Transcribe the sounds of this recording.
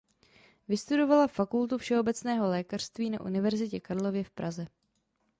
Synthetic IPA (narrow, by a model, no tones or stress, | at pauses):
vɪst̪udo̞valafakult̪ufʃɛo̞bɛt͡snɛːɦo̞lɛːkar̝̥st̪viːna̰ʔṵnɪvɛɾzɪcɛkaɾlo̞vjɛfpɾazɛ